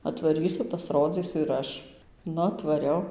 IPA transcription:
ɐtʋɐˈrʲiːsʊ pɐsˈroːd͡zʲiːsʲʊ ɪr ˈɐʃ ˈnʊ ɐtʋɐˈrʲɛʊ

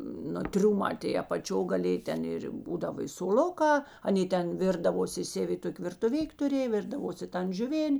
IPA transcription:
ˈnʊ ˈtʲrʲʊmɑː tʲeːɪ ɐpɐˈt͡ʃʲoː ɡɐˈlʲeːj ˈtʲɛn ˈɪr ˈbuːdɐʋɐ soːˈlˠʊˌkɑː ɐˈnʲeː ˈtʲɛn ˈʋʲɪrdɐʋoːsʲɪ ˈsʲæːʋʲɪ ˈtoːkʲ ʋʲɪrtʊˈʋʲɪkʲ tʊˈrʲeːj ˈʋʲɪrdɐʋoːsʲɪ ˈtɐn ʒʲʊˈʋʲeːnʲ

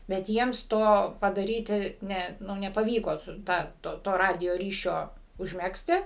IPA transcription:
bʲɛt ˈjiɛms ˈtoː pɐdɐˈrʲiːtʲɪ ˈnʲɛ ˈnʊ nʲɛpɐˈʋʲiːkoː ˈtɑː ˈtoː toː ˈrɑːdʲɪjoː ˈrʲiːʃʲoː ʊʒʲˈmʲæːksʲtʲɪ

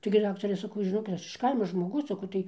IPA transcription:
tɐɪɡʲɪ ˈdɑːktɐrʲɛ sɐˈkɐʊ ʒʲɪˈnoːkʲɪt ˈɐʃ ˈkɐɪmoː ʒmoːˈɡʊs sɐˈkɐʊ tɐɪ

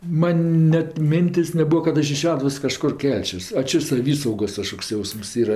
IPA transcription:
ˈmɐn ˈnʲɛt ˈmʲɪnʲtʲeːsʲ nʲɛˈbʊɐ kɐt ˈɐʃ ɪʃ ˈʃʲæːdʊʋoːs kɐˈʃkʊr ˈkʲɛlʲt͡ʃʲoːs ɐ ˈt͡ʃʲɛ sɐˈʋʲiːsɐʊɡoːs kɐˈʃkoːks ˈjɛʊsms ˈiːrɐ

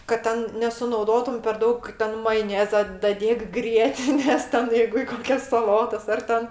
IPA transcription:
kɐt ˈtʲɛn nʲɛsʊnɐʊˈdoːtʊm pʲɛr ˈdɐʊk ˈtʲɛn mɐjoːˈnʲæːzɐ dɐˈdʲeːk ˈɡrʲiɛtʲɪnʲeːs ˈtʲɛn ˈjɛɪɡʊ ɪ ˈkoːkʲɛs sɐˈlˠoːtɐs ˈɐr tʲɛn

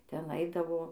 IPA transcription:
ˈtʲɛn ˈɐɪdɐʋoː

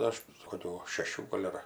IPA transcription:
ˈɐʃ koːˈkʲuː ʃʲɛˈʃʲuː ˈɡoːlʲ ɐr

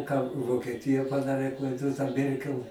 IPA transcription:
kɑː ʋoːkʲɛˈtʲɪjɛ pɐˈdɑːrʲeː tɐ ˈmʲɛrʲkʲɛlˠ

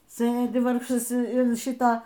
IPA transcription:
ˈsɘdʲɪ ˈʋɐrkʃɐs ɪn ˈʃʲɪtɐ

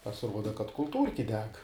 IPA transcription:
pɐsʲɪˈruɔdɐ kɐt kʊlˠˈtuːrʲkʲɪ ˈdʲɛk

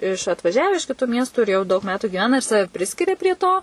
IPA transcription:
ɪʃ ɐtʋɐˈʒʲæːʋʲɛ ɪʃ kʲɪˈtuː ˈmʲiɛstuː ɪr jɛʊ dɐʊk ˈmʲæːtuː ɡʲɪˈʋʲæːnɐ ɪr ˈsɑːʋʲɛ ˈpʲrʲɪsʲkʲɪrʲɛ pʲrʲiɛ ˈtoː

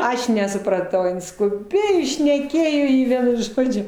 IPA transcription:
ˈɐʃ nʲɛsʊprɐˈtɐʊ ˈɪn skʊˈbʲeːjoː ɪ ʃʲnʲɛˈkʲeːjoː ɪ ˈʋʲiɛnʊ ˈʒoːd͡ʒʲʊ

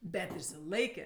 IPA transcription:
ˈbʲɛt ɪʃʲsʲɪˈlˠɐɪkʲeː

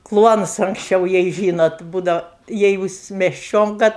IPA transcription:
ˈklˠuɔnʊs ɐŋksʲˈt͡ʃʲɛʊ jɛɪ ˈʒʲiːnoːt ˈbuːdɐʊ ˈjɛɪ juːs mʲɛsʲˈt͡ʃʲoːŋkɐ

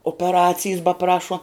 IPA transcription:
oːpʲɛˈrɑːt͡sʲɪjs bɐˈprɑːʃuɔ

